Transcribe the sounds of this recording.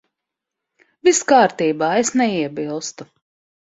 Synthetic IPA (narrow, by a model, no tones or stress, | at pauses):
viskaːɾt̪iːbaːesnɛiɛbilˠst̪u